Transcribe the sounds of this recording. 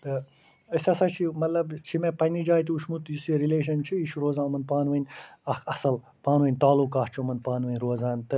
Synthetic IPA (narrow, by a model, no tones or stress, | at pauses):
t̪ɐ | ɐsʲɐsɐt͡ʃʰimɐt̪lɐbt͡ʃʰimepɐnʲid͡ʒaːjt̪iuʃmut̪jisiɾileːʃ̬ɐnt͡ʃʰiiʃɾoːzãːmɐnpaːnʋɐnʲɐkɐsɐl | paːnʋənʲt̪aːlukaːht͡ʃʰumɐnpaːnʋənʲɾoːzaːnʲt̪ɨ